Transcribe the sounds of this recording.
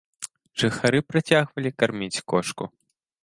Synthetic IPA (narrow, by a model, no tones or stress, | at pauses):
ʐɨxaɾɨpɾat͡sʲaɣvɐlʲikarmʲit͡sʲkɔʂkṵ